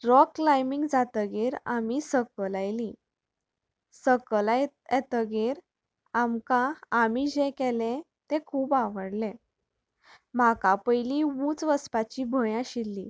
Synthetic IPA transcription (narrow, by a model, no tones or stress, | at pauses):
ɾɔklajmiŋɡd͡zat̪əɡeɾa̰misəkəlajli | səkəlajt̪ɛt̪əɡeɾ | amkaːmid͡ʑekɛlẽ | t̪ekʰuːbaʋəɽlɛ̃ | m̤akapəjliʋũt͡sʋəspat͡ɕibʱəjãɕilːi